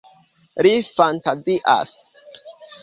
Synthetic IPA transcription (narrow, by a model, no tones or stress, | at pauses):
lifantaziʔa̰s